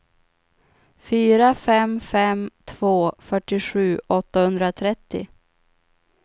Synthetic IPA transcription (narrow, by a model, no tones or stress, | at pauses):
fyːɾafɛmfɛmt̪ʰv̥oːfœʈːɪɧʉ̟ːʔɔt̪ːahɵnd̪ɾat̪ʰɾɛt̪ːɪ̰